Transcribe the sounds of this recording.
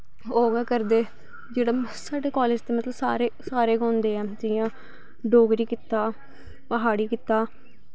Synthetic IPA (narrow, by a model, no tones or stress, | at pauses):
oːɡɛːkəɾd̪eː | d͡ʒeːɽaːsaːɖeːkaːleːd͡ʒt̪eːmət̪ləbsa̰ːɾeːsaːɾeːɡãːʊnd̪eːɛːd͡ʒɪjãː | ɖoːɡɾiːkɪt̪aː | pəɦaːɽiːkɪt̪aː